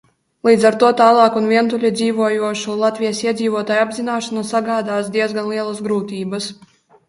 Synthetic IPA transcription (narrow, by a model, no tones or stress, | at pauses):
lˠiːd̪zaɾt̪uɔt̪aːlˠɑːkunviɛnt̪ulʲid̪ziːvuɔjuɔʃulˠat̪vʲijasiɛd̪ziːvuɔt̪aːjabzinaːʃanasaɡaːd̪aːsd̪iɛzɡanlˠiɛlˠasɡɾuːt̪ʲiːbɐs